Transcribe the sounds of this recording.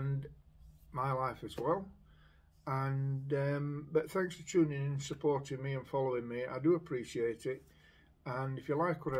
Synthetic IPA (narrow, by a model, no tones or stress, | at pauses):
n | maɪlaɪfɨzwɛlˠ | ə̃nʌ̃mbʌt̪θæ̃ŋksfə˞t͡ʃʰʉːnɪ̃ŋɨ̃nsəpʰɔɹtɪ̃ŋmiɨ̃nfɑlˠoʊɪ̃ŋmia̰ɪdəəpʰɹ̥iʃieɪɾɪt̚ | ə̃nɨfjəlaɪkwʌɾ